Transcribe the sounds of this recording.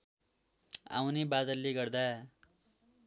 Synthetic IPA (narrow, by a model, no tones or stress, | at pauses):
a̰wnibad̪ʌlːiɡʌrd̪a